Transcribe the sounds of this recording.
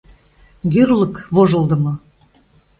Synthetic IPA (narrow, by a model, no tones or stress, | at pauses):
ɡyrlˠɤ̆kβoʒɤ̆lˠd̪ə̆mɤ̆